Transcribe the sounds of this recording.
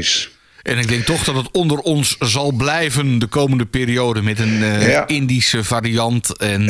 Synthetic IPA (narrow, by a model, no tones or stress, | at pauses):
s | ʔɛnɪɡ̚dɛŋk̚tɔχdɔtətɔndərɔnszɑlˠblɛjvəndəkowməndəpeːɾiowdənmɛtənɪndisəvariɑntɛn